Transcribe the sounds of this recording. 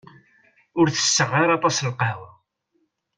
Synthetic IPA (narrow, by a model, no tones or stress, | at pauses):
ʊɾθə̥sːəʁːɑɾˤɑt̪ˤɑslqɑwæ